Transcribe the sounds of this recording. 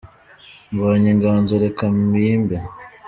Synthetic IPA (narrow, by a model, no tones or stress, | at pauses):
mbaːɲiŋɡaːnzoɾekamiːmbe